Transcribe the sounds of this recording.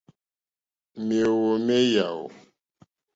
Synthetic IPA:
mi˨e˨wo˨me˦ja˨o̰˨

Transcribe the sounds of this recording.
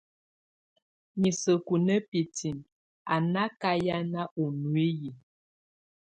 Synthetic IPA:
ɲi˨sə˨ku˨nə˦pi˨ti˨n | a˨na˦ka˦ja˦na˦ʔu˨nu˨i˦ji˨

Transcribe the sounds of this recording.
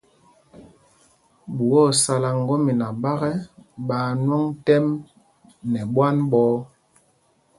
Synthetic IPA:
bu˨wɔ˦˨sa˨la˨ŋ˨ɡɔ˦mi˨na˨ba˦ɣɛ˦ɓaː˨˦nwɔ˦ŋtɛ˦m | nɛ˨ɓwa˦nɓɔː˨˦

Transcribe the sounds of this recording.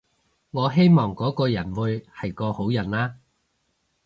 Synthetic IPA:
ŋɔː˨˧ɦe˥jmɔː˨˩ŋkɔː˨˥kɔː˧jɐ˨˩nwuː˨˧jhɐ˨jkɔː˧ho˨˥wjɐ˨˩nlaː˥

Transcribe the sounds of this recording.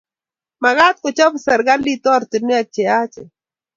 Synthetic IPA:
ma˨ɡa˦t̪̚kɔ˨t͡ʃɔ˦bsɛ˨ɾɡa˦li˦t̪ɔ˦ɾt̪i˨nɪ˦a˨t͡ʃɛ˨a˦t͡ʃɛ̰˨

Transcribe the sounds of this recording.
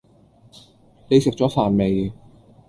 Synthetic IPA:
le˨˧jsɪ˨k̚t͡ɕɔː˨˥faː˨˩nme˨j

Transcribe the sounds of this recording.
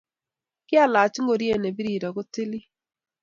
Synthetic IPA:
kɪ˦a˦la˨t͡ʃŋɡo˨ɾje˦ne˨bi˦ɾi˨ɾɔ˨ɡo˦tɪ˦lɪ˦

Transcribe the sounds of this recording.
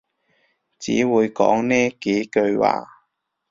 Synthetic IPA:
t͡sḭː˨˥wuː˨˧jkɔ̰ː˨˥ŋnɛː˥ke˨˥jkɵ˧ɥwa̰ː˨˩

